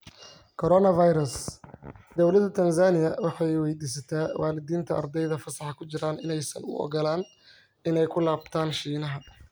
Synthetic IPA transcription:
kʰɔɾɔnɐvajɾɐs | d̪̥ɔwlɐd̪ɐt̪ʰɐnsaːnɪjɐwɑħɑjwɛjd̪iːs̬ɐt̪ʰaːwʔaːlɪd̪iːnt̪ʰɐʔɐ̰rd̪ɛjðɐfɐsɑħɑkʰʊt͡ʃɪɾaːnɪnɛjsɐ̰nʊ̰ʔɔ̰ɡɔlaːn | ɪnɛjkʰʊlaːbt̪ʰaːnʃiːnɐɦɐ

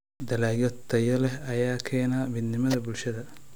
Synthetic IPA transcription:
d̪ɐlaːjɔt̪ːɐjɐlɛhɐjaːkʰɛːnamɪd̪nɪmɐðɐbʊlʃɐðɐ

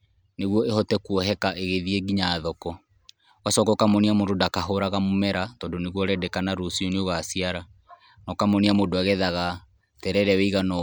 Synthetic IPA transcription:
neɣwɔehɔtɛkuɔɦɛkaʔeɣeðieɡiɲaːðɔkɔ | wasɔkɔkamoniamododakaɦoɾaɣamomɛɾatɔːndoneɣwɔɾɛdɛkanaɾosiɔneoɣasiaɾa | nɔkamɔniamodoaɣɛðaɣa | tɛɾɛɾɛwɛiɣanɔ

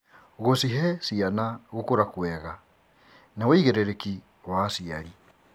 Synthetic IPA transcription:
ɣosiɦɛsianaɣokoɾakwɛɣa | naweiɣeɾeɾeki | wasiaɾi

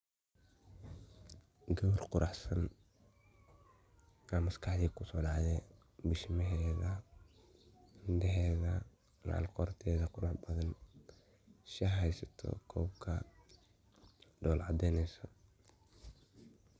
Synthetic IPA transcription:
ɡɔːrqʊɾʔɑħsɐn | amɐskʰɑħjɛkʰʊsɔːɖɑʕðɛ | bɪʃmɛɦɛːðɐ | ɪnd̪ɛɦɛːðɐ | la̰ːlqɔːrt̪ʰɛːðɐqʊɾɑħbɐðɐn | ʃɐɦɛjsɐt̪ʰɔ̰kʰɔːb̚kʰɐ | ɖɔːlʕɑd̪ɛjnɛjsɔ

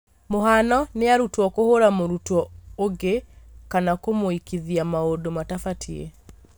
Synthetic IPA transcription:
moɦanɔneaɾutwɔkohoɾamoɾutɔoɡekanakomoikiðiamaodomatafatʰiḛ

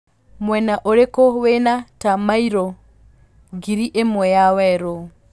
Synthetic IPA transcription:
mwɛnaʔoɾekowenatamaiɾɔ | ɡiɾiʔemwɛjawɛɾo

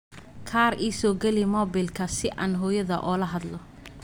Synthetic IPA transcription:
kʰaːɾiːsɔːɡɛlɪmɔːbɪlkʰɐsɪʔɐ̰ːnɦɔːjɐðɐʔɔːlɐɦɐd̪lɔ

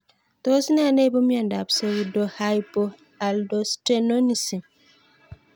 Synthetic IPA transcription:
tɔsinaanɛjbɔmjandabsewdɔhajpɔ | aldɔstenonisi

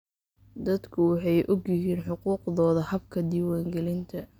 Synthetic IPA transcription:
d̪ɐd̪kʰʊwɑħɑjʔɔɡjɪɦiːnħʊquːqðɔːðɐhɐb̚kʰɐd̪iwaːŋɡɛlɪnt̪ʰɐ

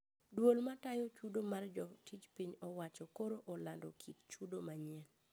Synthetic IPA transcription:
dwolmatajot͡ʃudomard͡ʒɔtit͡ʃpiɲɔwat͡ʃɔkoɾoʔɔlandɔkʰitt͡ʃudomaɲɛl

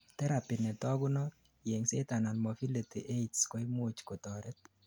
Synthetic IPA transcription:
t̪ɛɾapinɛtɔɡʊnɔ | jeŋset̪ananmofilitḭʔetskɔɪmot͡ʃkot̪ɔɾɛt̚

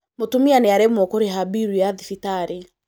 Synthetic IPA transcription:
motumianeaɾemɔkoɾeɦabiɾwiaðifitaɾi

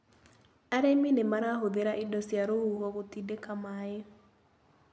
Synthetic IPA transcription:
aɾeminemaɾaɦoðeɾaʔidɔsjaɾohuhɔɣotidekamae

